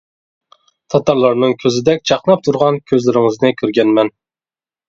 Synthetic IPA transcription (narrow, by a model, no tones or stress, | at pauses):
t̪ʰɑt̪ɑɾlˠɑɾnɨŋkʲʰøzɪd̪ɛk̚ʲt͡ʃʰɑχnɑp̚t̪ʰuɾʁɑnkʲʰøzlɪɾɪŋɨznɪkʲʰyɾɡʲɛnmɛn